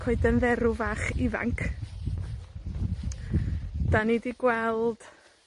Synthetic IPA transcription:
kʰoɨdənðɛɾʊvaːχɪva̰ŋkʰ | d̥anidiɡwɛlˠd̥

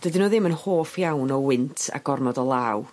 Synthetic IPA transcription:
d̥ədɪnoːðɪmənhoːfjawnɔwɪntʰa̰ɡ̥ɔrmɔdɔlˠaːw

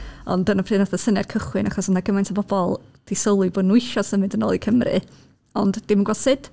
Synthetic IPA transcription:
ɔ̰ndənafr̥ɨːnaθɔsənɛrkʰəχwɨnʔaχɔsənaɡəmajntʰabɔbɔlˠd̥ɪsəlˠɨboːdnuɨʃɔsənmɨndəno̰ːlˠikʰəmrɨ̰ | ɔndːɪmənɡwɔsɨd̥

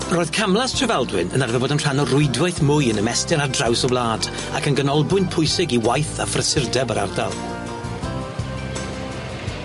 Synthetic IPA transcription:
roːɨð̥kʰamlˠastʰrəvɛlˠdwɪnənarvɛboːdənr̥anɔrʊɨdwajθmʊjənəmɛstɪnardrawsɔblaːd | akənɡənɔlˠbʊnpʰʊjsɪɡiwajθafrəsɪrdɛbəɾarda̰lˠ

